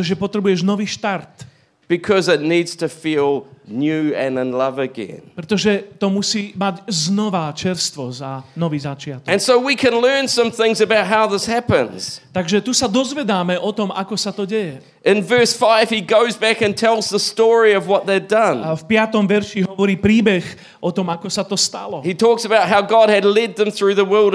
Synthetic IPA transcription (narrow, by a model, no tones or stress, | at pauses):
ʒɛpɔt̪ɾɛbujɛʒnɔʋiːʃt̪aɾt̪ | b̥ɨkʰʌzɨtⁿnidz̥tʰɨfilˠnjʉɨ̃nə̃nlʌvɨɡɛ̰̃npɾɛt̪ɔʒɛt̪ɔmusiːmaɟznɔʋat͡ʃɛɾst̪ʋɔzanɔʋiːzat͡ʃɪat̪ɔɨ̃nsoʊwikʰɨ̃nlɜ̃˞nsʌ̃mθɪ̃ŋzɨbaʊt̚ɦaʊðɪshæpɨ̰̃nz̥t̪aɡʒɛt̪usad̪ɔzʋɛd̪aːmɛʔɔt̪ɔma̰kɔsat̪ɔɟɛjɛ | ʔɨ̃nvɜ˞sfaɪv̥hiɡoʊzbækɨ̃ntʰɛlˠzðəstɔɹiʌvwʌt̪̚ðedʌ̃nfpɪat̪ɔmʋɛɾʃiɦɔʋɔɾiːpɾiːbɛɣ | ʔɔt̪ɔmakɔsat̪ɔst̪a̰lɔhitʰɔksəbaʊt̚ɦaʊɡɑd̚ɨdˡlɛd̪̚ðə̃mθɹʉðəwɜ˞lˠd